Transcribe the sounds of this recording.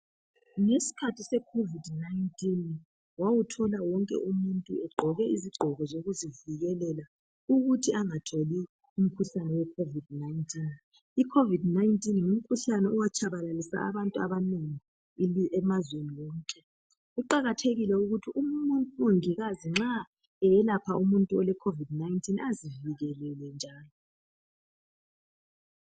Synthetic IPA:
ŋesi̥kʰatʰisɛkʰovidnaintʼin | wawutʰɔlawɔŋkʼɛ̰ʔumuntʼṵɛɡ͡ǃʱɔɣɛiziɡ͡ǃʱɔɣɔzoɣuziviɣɛlɛla | uɣutʰiaŋatʰoli | um̩kʰuɬanɛwɛkʰovid̚najntʰʼin | ikʰovidnajntʼinum̩kʰuɬanɛuwat͡ʃʰʼaβalalisa̰a̰βantʼuaβaneŋi | iɛmazweniwɔːǀʼɛ | uǃaɣatʰeɣilɛuɣutʰiummuntʼuuŋiɣaziŋ͡ǁa | ɛjɛlapʰaʔumuntʼuɔlɛkʰovidnaintʰʼinaziviɣɛlɛlɛnd͡ʒʱaːlɔ

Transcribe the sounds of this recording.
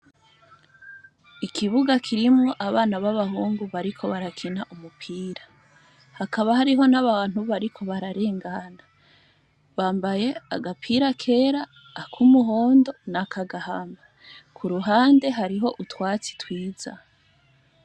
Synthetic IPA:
ikʰiβuɡakʰiɾimŋo̞ʔaβaːnaβaβahuːŋɡuβaɾikʰo̞βaɾakʰinaʔumupʰiːɾa | hakaβahaɾiɦo̞naβaːn̥huβaɾikʰo̞βaɾaɾe̞ːŋɡana | βaːmbaje̞a̰ɡapʰiːɾakʰe̞ːɾaː | kʰumuɦoːndo̞nakʰaɡahama | kʰuɾuɦaːnde̞ɦaɾiɦo̞ʔutwaːt͡si̥twiːz̥a̰

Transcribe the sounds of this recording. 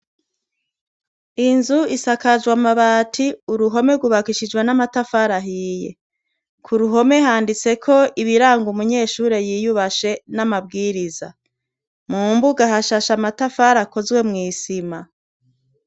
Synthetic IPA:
inzuisakad͡ʒwamaβaːtʰiuɾuɦo̞me̞ɡuβakiʃid͡ʒɡwenamatafaɾaɦiːje̞̰ | kʰuɾuɦo̞me̞ɦaːndit͡se̞kʰo̞iβiɾaːŋɡumuɲe̞ːʃuːɾe̞jijuβaʃe̞namabɡiːɾiza | muːmbuɡaɦaʃaʃamatafaːɾako̞zwe̞mŋiːsima

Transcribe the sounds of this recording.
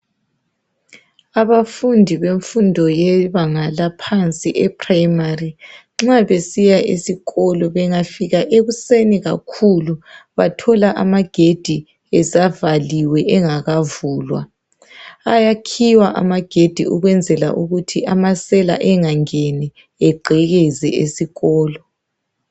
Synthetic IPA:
aβafundʱiβeɱfundʱɔjɛβaŋalapʰant͡sʼiʔɛpʰrajmari | ŋ͡ǁaβesijaʔḛsiɣɔlɔβɛŋafiɣaʔeɣuseniɣa̰kʰuluβatʰɔlaʔamaɡ̥ʱed̥ʱi | ɛsavaliwɛʔɛŋaɣavuːlwa̰ | ajakʰiwaʔa̰maɡ̥ʱed̥ʱḭʔuɣwɛnd͡zʱɛla̰ʔuɣutʰiʔamasɛla̰ʔɛŋaŋɛni | ɛɡ͡ǃʱɛɣɛzɛ̰ʔesiɣɔːlɔ

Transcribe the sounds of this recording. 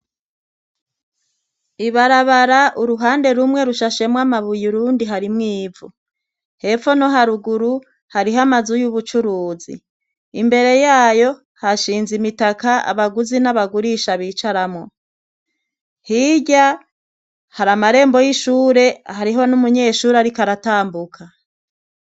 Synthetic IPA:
iβaɾaβaɾaʔuɾuɦaːnde̞ɾumŋe̞ɾuʃaʃe̞mwamaβujuɾuːndiɦaɾimŋiːvu | he̞fo̞no̞ɦaɾuɡuɾu | haɾiɦamazujuβut͡ʃuɾuːzḭ | imbe̞ɾe̞jaːjo̞ | haʃiːnzimitakaa̰βaɡuzinaβaɡuɾiʃaβiːt͡ʃaɾamŋo̞ | hiɟa | haɾamaɾe̞ːmbo̞jiʃuːɾe̞ahaɾiɦo̞numuɲe̞ːʃuːɾaɾikaɾataːmbukʰa

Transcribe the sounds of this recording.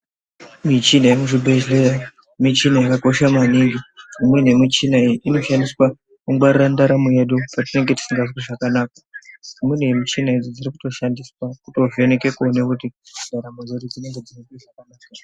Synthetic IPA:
mit͡ʃinajemuʐibʱeʒleja | mit͡ʃinaakako̞ʃamaniŋɡiumwenemit͡ʃinaiiʔino̞ʃandiswa | kuŋɡwarirandaɾamuje̞ɗupatine̞ŋɡe̞ti̥siŋɡaswiʐakanaːkaimwenemit͡ʃinaid͡zod͡ziɾikuto̞ʃandiswakuto̞ve̞neke̞kuonekutidʱaɾamod͡zoɾid͡zine̞ŋɡe̞d͡zinikiʐakanaːka

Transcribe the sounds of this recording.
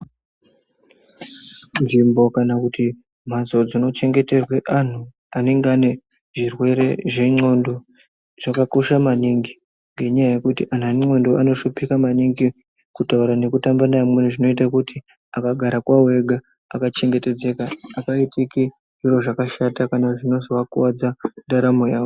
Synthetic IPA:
nʐimbo̞kanakuti | m̤azo̞d͡zino̞t͡ʃe̞ŋɡe̞te̞rwe̞ʔan̤u | ane̞ŋɡeane̞ | ʐirwe̞ɾe̞ʐe̞ŋ͡ǀo̞ndo | ʐ̥akako̞ʃamaniŋɡi | ŋɡe̞ɲajaje̞kutiʔan̤aŋ͡ǀo̞ndoano̞ʃupikamaniŋɡi | kutauɾane̞kutambanamwen̤uʐino̞itakuti | akaɡʱaɾakwawe̞ɡʱaː | kat͡ʃe̞ŋɡe̞te̞d͡ze̞kaːkaitiki | ʐiro̞ʐakaʃatakanaʐino̞zowakuwad͡zandaɾamo̞jaːo

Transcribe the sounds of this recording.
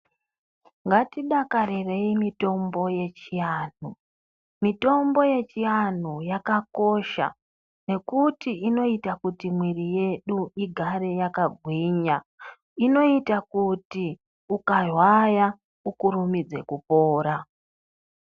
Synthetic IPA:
ŋɡatiɗakaɾire̞imito̞mbo̞je̞t͡ʃijaːn̥̤u | mito̞mbo̞je̞t͡ʃijan̤ujakako̞ʃa̰ | ne̞kutiino̞itakutimwirije̞ɗuiɡʱaɾe̞jakaɡʱwiɲa | ino̞itakuti | ukarwaja | ukuɾumid͡ze̞̰kupo̞ːɾa

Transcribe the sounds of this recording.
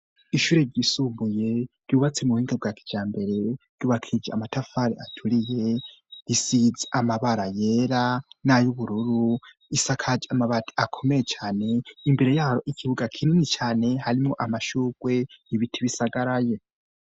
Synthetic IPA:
iʃuːɾe̞ɾɟisumbuje̞ɾ̥juːβat͡se̞muhiːŋɡeb̚ɡakʰi̥d͡ʒaːmbe̞ɾe̞ɾ̥juːβakʰid͡ʒeamatafaɾiatʰuɾije̞isizeʔamaβaɾaje̞ɾanajuβuɾuɾu | isakʰad͡ʒamaβatiakʰo̞mejet͡ʃaːne̞imbe̞ɾe̞jaːɾoʔikʰiβuɡakʰininit͡ʃaːne̞haɾimŋo̞ʔamaʃuːɡ̥we̞iβitʰiβisaɡaɾaje̞

